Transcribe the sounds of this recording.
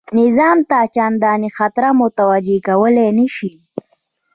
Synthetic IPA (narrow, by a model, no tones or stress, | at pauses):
nɪzɑːmt̪ɑːt͡ʃand̪ɑnixat̪ɾamʊt̪awad͡ʒekawəlenəʃi